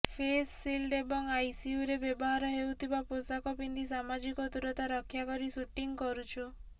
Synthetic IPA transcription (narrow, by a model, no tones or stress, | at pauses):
pʰesːilɖebɔŋajsiuɾebjɔbɔɦaɾɔɦewt̪ʰibaposakɔpind̪isamad͡ʒikɔd̪uɾɔt̪aɾɔkʰːjakɔɾisuʈiŋkɔɾut͡ʃʰɔ